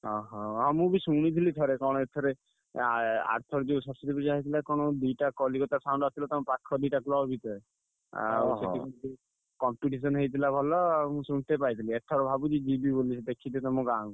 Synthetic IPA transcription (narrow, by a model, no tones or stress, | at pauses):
ɦɔ̃ɦɔ̃ɦɔ̃mũbisuɽ̃it̪ʰilit̪ʰɔɾekɔɽ̃ɔet̪ʰɔɾe | a̰ɾt̪ʰɔɾd͡ʒeũsɔsit̪ʰibid͡ʒaɦit̪ʰilakɔ̃ɔd̪ujʈakɔlikɔt̪asaw̃ɳɖasʰilɔt̪ɔmɔ̃pakʰːɔd̪ujʈaklɔbbʱit̪ʰɔɾe | a̰setikɔd͡ʒi | kɔmpiʈis̬ɔnɦejt̪ʰilabʱɔlɔmũsunt̪epajt̪ʰiliet̪ʰɔɾɔbʱabud͡ʒid͡ʒibibolit͡ʃʰid̪ekʰit̪t̪ɔmũɡaŋ